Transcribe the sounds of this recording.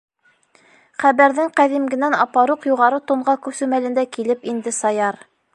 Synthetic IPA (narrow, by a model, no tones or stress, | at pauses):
χæβæɾðɘŋqæðimɡɘ̆nænɑpɑɾuqjuʁɑɾɤt̪uɴɢɑkʉ̆sɘmælɘ̆nd̪ækilɘpind̪ɘsɑjɑɾ